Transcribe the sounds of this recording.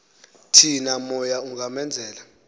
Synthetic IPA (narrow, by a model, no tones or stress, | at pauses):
tʰinamɔjauŋamɛnd͡zʱɛːla